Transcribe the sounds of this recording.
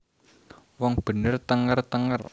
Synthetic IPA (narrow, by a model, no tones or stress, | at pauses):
wɔŋb̥ə̤nərt̪əŋərt̪əŋər